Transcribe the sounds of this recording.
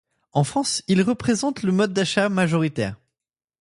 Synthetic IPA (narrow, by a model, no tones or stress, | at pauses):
ɑ̃fχɑ̃silʁəpχezɑ̃t̪ləmɔd̪̚ːaʃamaʒɔʁit̪ɛ̰ːʁ